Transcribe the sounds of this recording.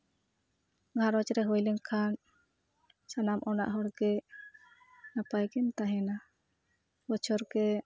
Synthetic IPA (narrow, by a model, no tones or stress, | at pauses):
ɡʱãɾɔt͡ʃɾɛɦɔjlɛŋkʰan | sanamʔɔna̰ʔɦɔɽɡɛ | napajkɛnt̪aɦɛna | bɔt͡ʃʰɔɾkɛ